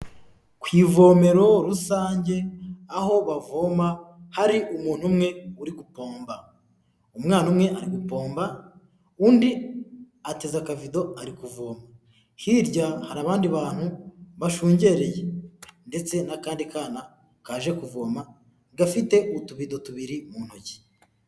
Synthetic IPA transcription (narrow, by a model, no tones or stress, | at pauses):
kwiːvo̞ːme̞ɾo̞ɾusaːɲɟe̞aho̞βavoːmahaɾiʔumuːn̥umŋe̞uɾiɡupo̞ːmba | umŋaːnumŋe̞ʔaɾiɡupo̞ːmba | uːndi | ate̞zakavido̞aɾikuvoːma | hiɾɟahaɾaːβaːndiβaːn̥huβaʃuːɲɟe̞ɾejende̞t͡se̞nakaːndikaːna | kaːʒe̞kuvoːma | ɡafite̞ʔutuβido̞tuβiɾimuːn̥hoɟi̥